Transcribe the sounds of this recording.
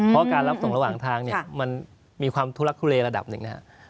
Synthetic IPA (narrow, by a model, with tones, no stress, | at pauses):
pʰɔ˦˥kaː˧nla˦˥p̚so˨˩˦ŋɾa˧waː˨˩ŋt̪ʰaː˧ŋni˥ɐ˧ma˧n | miː˧kʰwaː˧mt̪ʰu˦˥la˦˥k̚t̪ʰu˧˥leː˧ɾa˧da̰˨˩p̚nɯ˨˩ŋna˦˥a̰˦˥ʔ